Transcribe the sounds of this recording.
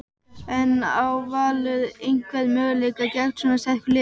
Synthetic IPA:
ɛnawvaːlʏðejŋkvɛðmœːɣalejkacɛxt̪sɔnasɛhklɪ

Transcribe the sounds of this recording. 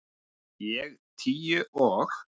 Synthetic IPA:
jɛɣt̪ʰiːjʏʔɔːɣ

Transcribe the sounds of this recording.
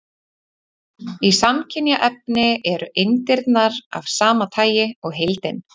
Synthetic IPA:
isamcʰɪnjaʔɛp̚nɪɛɾʏʔejnt̪ɪɾt̪naɾa̰v̥saːmat̪ʰaːjɪɔɣɦejlt̪ɪn

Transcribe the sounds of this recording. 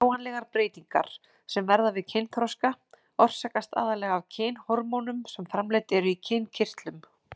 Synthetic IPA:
wanlɛɣaɾpɾeːjt̪iŋka̰ɾ̥ | sɛmvɛɾðavɪðcʰejnk̪ʰɾɔska | ɔr̥sakast̪a̰ːðalɛɣavcʰeːnhɔɾmɔwnʏmsɛmfɾamleːjt̪ɛɾʏicʰejncʰɪr̥t̪lʏm

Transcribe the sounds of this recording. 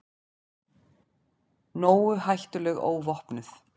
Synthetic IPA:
noːwʏhajht̪ʏlɛɣo̰ːwvɔhpnʏθ

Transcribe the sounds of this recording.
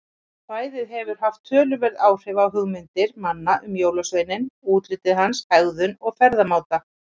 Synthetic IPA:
θvaːjðɪðɦɛvʏɾ̥ɦaft̪ʰːœːlʏvɛɾðaːwr̥ɪvawɦʏɣmɪnt̪ɪɾmanːaʔʏmjoːwlasvejnɪnuːt̪ɾɪt̪ɪðɦanshaɣðʏnɔɣfɛɾðamaːwt̪a

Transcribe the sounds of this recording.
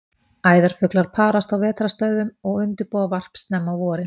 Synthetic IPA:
aːjðaɾ̥fʏklaɾ̥pʰaːɾast̪awvɛːt̪ɾast̪œɥðʏmɔɣʏnt̪ʏɾpɔːavar̥pst̪nɛmːawvɔːɾɪ

